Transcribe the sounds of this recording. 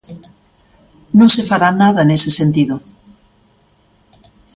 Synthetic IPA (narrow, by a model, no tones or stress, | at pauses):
nõŋsefaɾanaðɐnesesent̪iðʊ